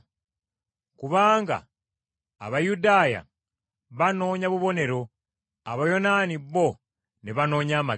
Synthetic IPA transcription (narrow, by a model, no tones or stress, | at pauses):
kuβaːŋɡa̰ː | βajudaːja̰ | βano̞ːɲaβuβo̞ne̞ɾo̞ | aβajo̞naːniβːo̞ | ne̞βano̞ːɲaːma